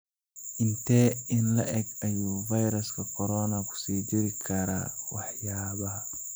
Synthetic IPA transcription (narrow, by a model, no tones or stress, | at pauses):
ʔɪnt̪ʰɛːɪnlɐ̰ʔɛɡɐjuːvɐjɾɐskʰɐkʰɔɾɔnɐkʰʊ̥siːd͡ʒɪɾɪkʰɐɾa̰ːwɑħjaːβɐ